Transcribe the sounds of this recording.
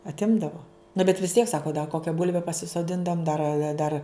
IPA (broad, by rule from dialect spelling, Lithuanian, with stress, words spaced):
ɐtʲˈɪmdɐʋoː nɐ bʲɛt ʋʲɪs tʲiɛk ˈsɑːkoː dɐ ˈkoːkʲɛ ˈbʊlʲʋʲɛ pɐsʲɪsoːˈdʲɪndɐʋoːm ˈdɐr ɐ ˈdɐr